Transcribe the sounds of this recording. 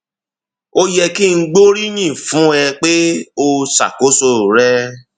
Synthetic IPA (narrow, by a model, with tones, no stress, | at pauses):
o˦jɛ˧ki˦˨ŋ̩˦ɡ͡bo˦ɾi˦ɲ̃ĩ˦˨fũ˨˦ɛ˧k͡pe˦o˧sa̰˨ko˨˦so˧˨ɾɛ˦